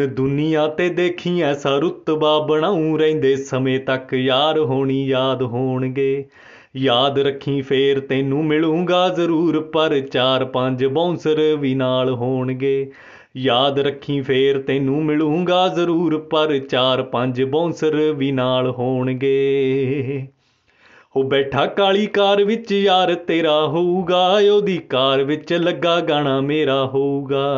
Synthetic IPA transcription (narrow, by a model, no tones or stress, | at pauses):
d̪ʊnɪjãːt̪eːd̪eːkʰːĩːɛːsaːɾʊt̪ːbaːbəɽ̃ãːũːɾɛ̃ĩːnd̪eːsəmẽːt̪əkjaːd̪ɦoːɳ̃iːjaːd̪ɦoːɳɡeː | jaːd̪ɾəkʰːĩːpʰeːɾt̪eːnũːmɪlũːŋɡaːzəɾuːɾpəɾt͡ʃaːɾpəɲd͡ʒbõːsəɾʋiːnaːlɦoːɳɡeː | jaːd̪ɾəkʰːĩːpʰeːɾt̪eːnũːmɪlũːŋɡaːzəɾuːɾpəɾt͡ʃaːɾpəɲd͡ʒbõːsəɾʋiːnaːlɦoːɳɡeː | ɦoːbɛːʈʰaːkaːɭiːkaːɾʋɪt͡ʃjaːɾt̪eːɾaːɦoːuːɡaːjoːd̪iːkaːɾʋɪt͡ʃləɡːaːɡaːɳaːmeːɾaːɦoːuːɡaː